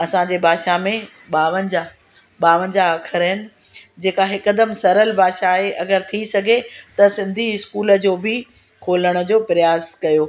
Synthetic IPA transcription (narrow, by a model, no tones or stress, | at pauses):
ɐsãd͡ʑeːbʱaːʃamẽ | ɓaːʋənd͡ʑa | ɓaːʋənɪ̆d͡ʑaɐkʰəɾɦɪnɪ̆ | d͡ʑeːkaɦɪkəd̪əmsɐɾəlbʱaːʃaːɦeʔɐɡəɾt̪ʰisɐɡʱet̪ɐsɪ̃nd̪ʱiɪskuːlə̆d͡ʑoːbɪ | kʰoːləɽ̃ə̆d͡ʑoːpɾɪjaːzkɐjoː